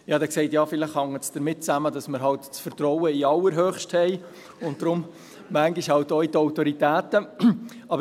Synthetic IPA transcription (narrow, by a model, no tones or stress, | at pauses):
jɑːdɛksɛɪtjɑːfɪlɪχhɑŋətsd̥əɾmɪt̚t͡sæmədɑsməɾɦɑltt͡sfəɾt̪ɾɔwəiɑlːəɾɦøːχʃthɛɪ | ʊnt̚d̥ɾʊm | mæŋɡiʃhɑltoitɔʊtɔɾitæːtəɑbə